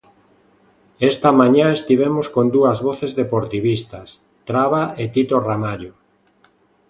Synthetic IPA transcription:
est̪ɐmãɲaest̪iβ̞emoskond̪uɐzβoθezðepoɾt̪iβist̪ɐs | t̪ɾaβaet̪it̪oramaʎo

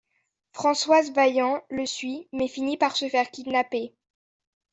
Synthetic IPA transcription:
fχɑ̃swazvajɑ̃ləsɥimɛfinipaʁsəfɛʁkʲid̪nape

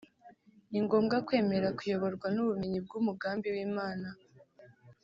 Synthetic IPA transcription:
niŋɡo̞ːmɡakwe̞ːme̞ɾakujo̞βo̞ɾɡwanuβumiɲib̚ɡumuɡaːmbiwiːmaːna

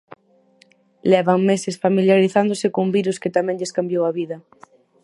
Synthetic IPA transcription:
lɛβaŋmesesfamiljaɾiθand̪osekombiɾusket̪amɛ̃ŋʎeskambjowaβiðɐ

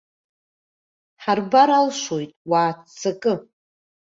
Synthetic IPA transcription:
ħarbaɾalʃojtʼwaːt͡sʰːakʼɨ

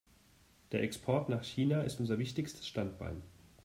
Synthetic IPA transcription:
d̥eːɐʔɛkspʰɔɐtnaːχçiːnaɪ̰stʔʊnzɐvɪçtɪçstʰə̥sʃtantb̥a̰ɪn

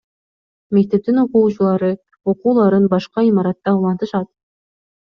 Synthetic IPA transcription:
mek̚t̪e̞p̚t̪inuquːt͡ʃulˠɑɾɯ | uquːlˠɑɾɯnbɑʃqɑimɑɾɑt̪ːɑulˠɑnt̪ɯʃɑt̪̚

